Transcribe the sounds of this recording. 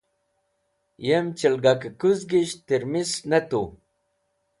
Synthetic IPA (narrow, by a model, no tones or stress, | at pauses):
jemt͡ɕilɡakəkuzɡiɕt̪iɾmisnet̪u